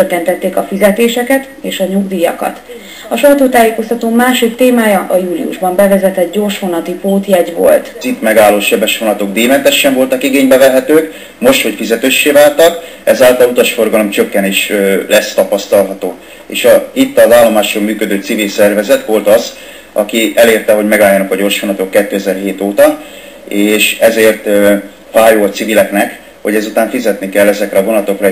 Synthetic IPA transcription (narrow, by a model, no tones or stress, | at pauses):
økːɛnt̪ɛt̪ːeːkɒfizɛt̪eːʃɛkɛt̪ | eːʃɒɲuɡd̪iːjɒ̰kɒ̰t̪ | ɒʃɒjt̪oːt̪aːjeːko̞st̪ɒt̪oːmaːʃikt̪eːmaːjɒʔɒjuːlḭṵʒbɒmbɛvɛzɛt̪ɛt̪ɟo̞ːrʃʋonɒt̪ipoːt̪jɛɟʋo̞̰lt̪zit̪mɛɡaːlːoːʃɛbɛʃʋonɒt̪o̞ɡd̪eːmɛnt̪ɛʃːɛɱvo̞lt̪ɒkiɡeːɲbɛvɛɦɛt̪øːk | mo̞ʃt̪ho̞cfizɛt̪øːʃːeːvaːlt̪ɒk | ɛzaːlt̪ɒllut̪ɒʃfo̞rɡɒlo̞mt͡ʃøkːɛneːʃøːlʔɛst̪ɒpɒst̪ɒlɦɒt̪oː | ḛːʃɒhit̪ːɒzaːlːo̞maːʃroːmyːkød̪øːt̪sivilsɛrvɛzɛt̪ʋo̞lt̪ɒz | ɒ̰kiɛleːrt̪ɛɦo̞ɟmɛɡaːljːɒnɒkɒɟo̞rʃʋonɒt̪o̞kːɛt̪ːøːɛzɛrɦeːt̪oːt̪ɒ | eːʃɛzeːrt̪ | faːjoːɒt̪sivilɛknɛk | ho̞ɟɛzut̪aːɱfizɛt̪nikɛlːɛzɛkɾɛɒvonɒlɒt̪o̞krɒ